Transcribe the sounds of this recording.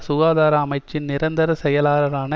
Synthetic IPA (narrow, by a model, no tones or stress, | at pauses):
sʊɣaːðaːɾɐːmɐɪt͡ʃːɪnnɪɾɐnd̪ɐɾɐsɛjɐlaːɾɐɾaːnɐ